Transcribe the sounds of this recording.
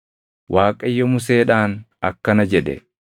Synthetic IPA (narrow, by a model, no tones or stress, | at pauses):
wʔaːkʼɐjːɔmʊs̬eːᶑaːnɐkːɐnɐd͡ʒɛᶑ̪ɛ̰